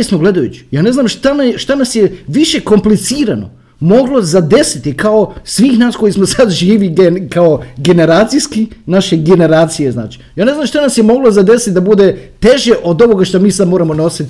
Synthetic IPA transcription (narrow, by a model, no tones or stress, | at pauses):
smoɡle̞d̪ajṵt͡ɕi̥jaːne̞znaːmʃt̪anaʃt̪anasjeʋiʃe̞ko̞mplit̪siːɾano̞̰ | mo̞ɡlozad̪e̞sit̪ikaosʋiːxnaːsko̞jismo̞sad̪ʒiːʋiɡekaoɡe̞ne̞ɾaːt̪sijskinaʃe̞ɡe̞ne̞ɾaːt̪sijezna̰ːt͡ʃi̥jaːneznamʃt̪anasjemo̞ɡlozad̪e̞sit̪d̪abud̪e̞t̪e̞ʒeʔo̞d̪oʋo̞ɡaʃt̪omiːsad̪moɾamo̞no̞sit̪